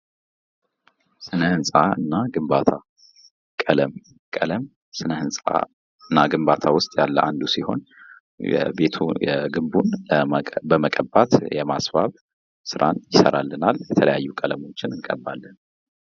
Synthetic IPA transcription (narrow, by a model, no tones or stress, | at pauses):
sɨnəhɨnsʼaɨnːaɡɨmbat̪ʰa | kʼələm | kʼələm | sɨnəhɨnsʼa̰ | ɨnːaɡɨmbat̪ʰawʊst̪ʼjalːə̰ʔand̪usiho̞̰n | jɛ̰be̞t̪ʰujɛɡɨmbunəbəməkʼəbːat̪jɛmasbaβ | sɨɾʔa̰njɪsəɾalːənaljɛt̪ʰələ̰jajːukʼələmo̞t͡ʃːɪnɨŋkʼəbːalːən